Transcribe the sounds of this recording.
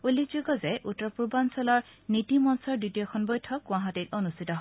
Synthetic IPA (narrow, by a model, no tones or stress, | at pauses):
ulːikzuɡɔzɛʔutːɹɔpuɹbansɔlɔɹnitimɔnsɔɹditijɔxʰɔnbɔjtʰɔkw̃aɦɔtit̚ɔnustʰitɔɦ